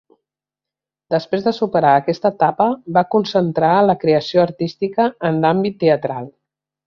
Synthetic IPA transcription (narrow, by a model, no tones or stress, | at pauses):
d̪əspɾezðəsupəɾaəkɛst̪ət̪apəbakunsənt̪ɾaləkɾeəsioəɾt̪ist̪ikəːnlambit̪ːeət̪ɾalˠ